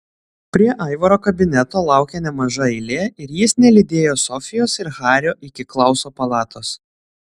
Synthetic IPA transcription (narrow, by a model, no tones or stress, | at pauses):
pʲɾʲiɛʔɐˑɪʋɐɾoːkɐbʲɪnʲɛt̪oːlˠɑˑʊkʲenʲɛmɐʒɐɛɪlʲeːɪɾjɪsnʲɛlʲid̪ʲeːjoːsɔfʲɪjoːsɪɾɣɑːɾʲoːʔɪkʲɪklˠɐʊsoːpɐlˠɑːt̪ʰoːs